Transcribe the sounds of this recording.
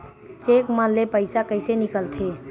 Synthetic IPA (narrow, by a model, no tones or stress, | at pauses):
t͡ʃeːkmənlepəɪsakəɪsenɪkəlt̪ʰe